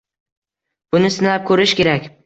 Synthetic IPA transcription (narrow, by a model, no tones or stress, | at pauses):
b̥ʊnɪsɪnlap̚kʰɵɾɪʃkʲe̞ɾakʲ